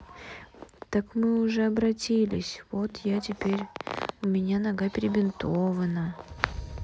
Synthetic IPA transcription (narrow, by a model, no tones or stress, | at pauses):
t̪akmɨʊʐɛɐbɾɐtʲilʲɪsʲvo̞t̪jatʲɪpʲeɾʲʊmʲɪnʲanɐɡapʲɪɾʲɪbʲɪnt̪ovənə